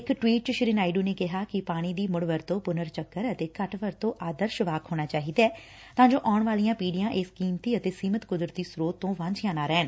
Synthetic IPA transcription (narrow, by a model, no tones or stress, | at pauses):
ɪkʈʋiːʈ̚t͡ʃʃɪɾɪnaːiɖuːneːkɪɦaːkɪpaːɽ̃iːd̪iːmʊɽʋəɾt̪õːpʊnəɾt͡ʃəkːəɾət̪eːkəʈʋəɾt̪õːʔaːd̪əɾʃʋaːkʰɦoːñaːt͡ʃaːɦiːd̪ɛː | t̪ãːɲd͡ʒoːʔaːɳʋaːlijãːpiːɖijãːʔɪskiːmt̪iːət̪eːsiːmət̪kʊd̪ɾət̪iːsɾoːt̪ːõːʋãɲd͡ʒʰjãːnaːɾɛːn